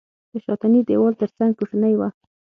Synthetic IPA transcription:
d̪əʃɑt̪anid̪ewɑlt̪əɾt͡saŋɡ̚kuʂanəjwa

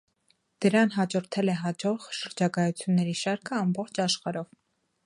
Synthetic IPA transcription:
d̪̥əɾɑnɦɑd͡ʒɔɾt̪ʰɛlɛɦɑd͡ʒɔʁʃəɾd͡ʒɑkɑjut͡sʰjunːɛɾiʃɑɾkʰəɑmbɔχt͡ʃʰɑʃχɑɾɔv

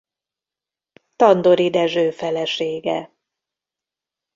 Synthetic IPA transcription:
t̪ɒnd̪oɾid̪ɛʒøːfɛlɛʃeːɡɛ

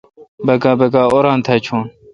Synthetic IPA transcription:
bɐɡaːbɐɡaːoːɾãːnt̪ʰaːt͡ɕʰoːn

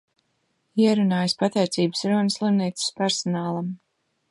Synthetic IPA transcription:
iɛɾunaːjspat̪ɛjt̪siːbsɾuɔnslˠimniːt̪sɪ̥spæɾsɔnaːlˠam

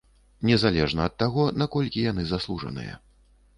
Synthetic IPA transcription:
nʲɛzalʲɛʐnɐːt̪ːaɣɔnakɔlʲkʲijanɨzaslˠuʐɐ̰nɨ̰jɐ̰

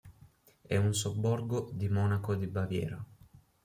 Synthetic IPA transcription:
ɛunsobːɔrɡod̪imɔːnakod̪ibavjɛ̰ːɾo

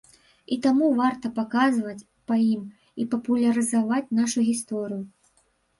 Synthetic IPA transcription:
it̪amuvart̪ɐpakazvɐt͡sʲ | pɐjim | ipɐpulʲɐɾɨzavat͡sʲnaʂuɣʲist̪ɔɾɨju

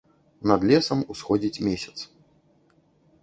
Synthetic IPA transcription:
nɐd̪lʲɛsɐmusxɔd͡zʲit͡sʲmʲesʲɐ̥t̪s

